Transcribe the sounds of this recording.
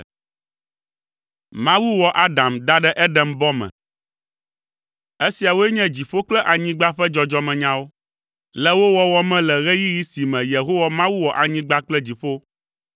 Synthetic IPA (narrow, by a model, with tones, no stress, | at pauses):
mã˦wu˦wɔ˨ʔa˦ɖã˨md̪a˦ɖɛ˦ʔɛ˦ɖɛ˦mbɔ˦mɛ̰̃˨ | e˦si˨a˨wo˦ɛ˦ɲɛ̃˦d͡ʑi˨ɸo˦k͡plɛ˦ʔa˨ɲĩ˦ɡ͡ba˦ɸɛ˦d͡ʒɔ˦d͡ʒɔ˦mɛ̃˨ɲã˦wo˦ | lɛ˦wo˦wɔ˦wɔ˦mɛ̃˦lɛ˨ɣɛ˦ji˦ji˦si˨mɛ̃˨je˨ɦo˦wa˨mã˦wu˦wɔ˨ʔa˨ɲĩ˦ɡ͡ba˦k͡plɛ˦d͡ʑi˨ɸo˦